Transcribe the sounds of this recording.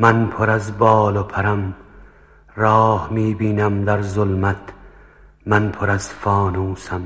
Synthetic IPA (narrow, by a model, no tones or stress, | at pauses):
mænpʰoɾæzbɒːlopʰæɾæm | ɾɒːhmiːbiːnæmd̪æɾzolmæt̪ʰ | mænpʰoɾæzfɒːnuːsæm